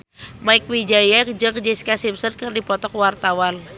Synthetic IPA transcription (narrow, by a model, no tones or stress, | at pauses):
maɪk̚wid͡ʒajak̚d͡ʒəkd͡ʒiskasipsərkərdipɔt̪ɔkwart̪awan